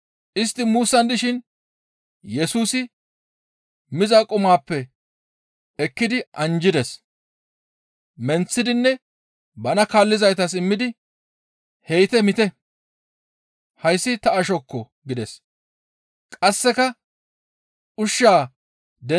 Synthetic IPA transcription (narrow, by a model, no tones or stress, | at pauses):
ʔɪst̪ːɪmuːsːɐnd̪ɪʃɪn | jɛsuːsɪ | mɪzakʼʊmaːpːɛ | ɛkːɪd̪ɪʔɐnd͡ʒɪd̪ɛs | mɛnt͡sːɪd̪ɪnːɛ | bɐnɐkaːlːɪzɐjt̪ɐs̬ɪmːɪd̪ɪ | hɛjt̪ɛmɪt̪ɛ | hɐjsːɪt̪ɐɐʃɔkːɔ | ɡɪd̪ɛs | kʼɐsːɛkɐ | ʔʊʃːaː | d̪ɛ